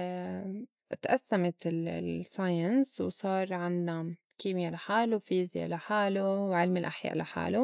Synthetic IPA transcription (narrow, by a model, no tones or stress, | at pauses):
t̪ʔasːamat̪ɪlsajɪnswsˤɑːɾˤʕɪnːa | kiːmjalaħaːlufiːzja̰laħaːluwʕɪlmɪlʔaħja̰ːʔlaħa̰ːlu